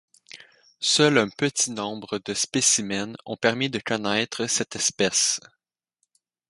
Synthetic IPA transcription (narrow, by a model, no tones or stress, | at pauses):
sœlɛ̃pət̪inɔ̃bʁəd̪əspesimɛnɔ̰̃pɛʁmid̪əkɔnɛːt̪χəsɛt̪ɛspɛs